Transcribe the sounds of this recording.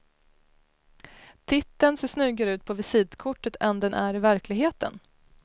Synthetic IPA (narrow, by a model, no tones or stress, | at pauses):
t̪ʰɪt̪ːənseːʂnʉ̟ɡaɾəʉ̟ːt̪̚pʰɔvɪsiːd̪kʰʊʈːət̪ʰɛnd̪ɛnʔæɾɪvæɾklɪɡɦeːt̪ə̰n